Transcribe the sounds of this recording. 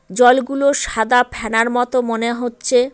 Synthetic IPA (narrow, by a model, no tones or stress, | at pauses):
d͡ʑɔlɡuloʃad̪apʰɛnaɾmɔt̪omoneɦotːɕʰe